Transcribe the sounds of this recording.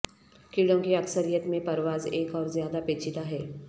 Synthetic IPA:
kiɽõkiɐksəɾijət̪mẽpɐɾʋaːzeːkɔːɾzjaːd̪apeːt͡ʃʰɪt̪aɦɛː

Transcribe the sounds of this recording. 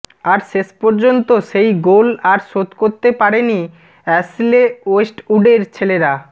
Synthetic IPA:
aɾʃeʃpɔɾd͡ʑont̪oʃejɡolaɾʃot̪koɾt̪epaɾeni | ɛsleoesʈuɖeɾt͡ɕʰeleɾa

